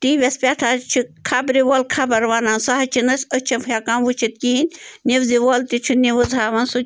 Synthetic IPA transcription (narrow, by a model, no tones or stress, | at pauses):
t̪iʋʲespʲat̪ʰat͡ʃʰikʰabɾiʋolkʰabɐɾʋaːnansaɦɐt͡ʃʰinɐsʲət͡ʃʰɐnfʰjakamʋut͡ʃʰit̪̚kinʲniʋziʋoːlt̪it͡ʃʰiniʋɨzaːʋɐnsu